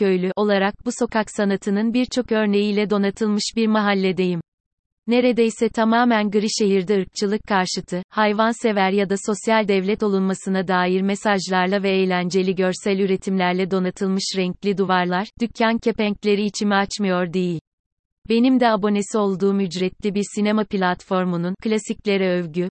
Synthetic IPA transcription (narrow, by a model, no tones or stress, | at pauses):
øjlʲyʔo̞lˠaɾak̚buso̞kaksanat̪ʰɯnɯnbiɾt͡ʃʰo̞kø̞ɾne̞jiːlʲɛd̪o̞nat̪ʰɯlˠmɯʃbiɾmaɦalʲːɛd̪e̞jim | ne̞ɾed̪ejsɛt̪ʰamaːmænɡɯɾɯʃe̞ɦiɾd̪ɛɯɾk̚t͡ʃʰɯlˠɯkʰːaɾʃɯt̪ʰɯhajvanse̞væɾjad̪aso̞sjalʲd̪ɛvlʲɛt̪o̞lˠunmasɯnad̪aːjiɾmesaʒlˠaɾlˠavɛejlʲænd͡ʒe̞lʲiɟøɾsælʲyɾe̞t̪ʰimlʲæɾlʲɛd̪o̞nat̪ʰɯlˠmɯʃɾɛɲclʲid̪uvaɾlˠaɾd̪̥ycʰːancʰe̞pɛɲclʲe̞ɾiːt͡ʃʰimiat͡ʃmɯjo̞ɾd̪e̞jilʲ | be̞nimd̪ɛabo̞nesio̞lˠd̪uːmyd͡ʒɾɛt̪lʲibiɾsinemaplʲat̪fo̞ɾmununklʲasiclʲe̞ɾɛøvɟy